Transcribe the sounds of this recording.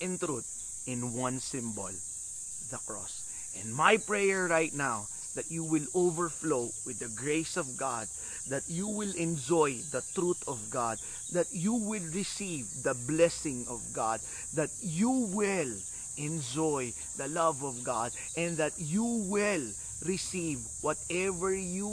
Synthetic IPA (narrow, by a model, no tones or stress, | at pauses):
ʔɛ̃nt̪ɾut̪̚ | ɪ̃nwʌ̃nsɪ̃mbɔl | d̪ɐkɹɔ̰s | ʔɛ̃nmajpɹɛjɛɹɹajt̪̚naw | ðɐt̪̚juwɪlovəɹfloʊwɪd̪ɐɡɹeɪsɔvɡad̪̚ː | ɐt̪juwɪlɛ̃nd͡ʒɔjd̪ɐt̪ɾut̪ɔvɡad̪̚ | d̪ɐt̪juwɪlɹɪsivd̪ɐblɛsɪ̃ŋɔvɡad̪̚ː | at̪̚juwɪl | ʔɛ̃nd͡ʒɔj | d̪ɐlʌvɔvɡad̪̚ | ʔɛ̃nd̪ɐt̪juwɪl | ɹɪsiv | wɔt̪ɛvəɹju